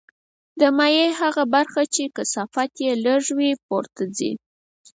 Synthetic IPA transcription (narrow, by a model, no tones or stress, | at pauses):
d̪əmajeɦaɣabaɾxat͡ʃekəsafat̪jeləʐwipoɾt̪azḭ